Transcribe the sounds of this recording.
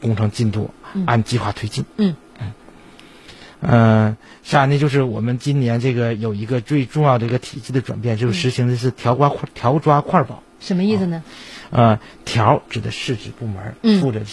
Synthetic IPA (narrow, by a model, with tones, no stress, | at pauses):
kʊ˥ŋʈ͡ʂʰɤ˧˥ŋt͡ɕi˥˧nt̪ṵ˥˩˧a˥˩nt͡ɕi˥˧xwa˥˩t̪ʰwe˥ɪt͡ɕi˥˩n̩˥˩ | n̩˥˩ | ə˧ | ɕa˥˧njɛ˥˧nt͡ɕjo˥˧ʊʂ̬ɻ̩˥˩wɔ˨˩mə˦nt͡ɕi˥nnjɛ˧˥nʈ͡ʂɤ˥˩ɡə˩jo˨˩ʊi˧˥ɡə˧t͡swe˥˧ɪʈ͡ʂʊ˥˧ŋjʊd̪ə˩i˧˥ɡə˧t̪ʰi˨˩t͡ɕi˥˩d̪ə˩ʈ͡ʂwa̰˨˩npjɛ˥˩˧nt͡ɕjo˥˧ʊʂɻ̩˥˩ʂɻ̩˧˥ɕi˧˥ŋd̪ə˧ʂ̬ɻ̩˥˩t̪ʰjɑ˧˥ʊkwa˥kʰt̪ʰjɑ˧˥ʊʈ͡ʂwa˥kʰwa˥˩pɑ˨˩˦ʊʂə˧˥mə˧i˥˩s̩˩nə˩ə˧t̪ʰjɑ˧˥ʊʈ͡ʂɻ̩˨˩d̪ə˦ʂɻ̩˥˩ʈ͡ʂɻ̩˨˩pu˥˩mə˞˧˥fu˥˩ʈ͡ʂɤ˨˩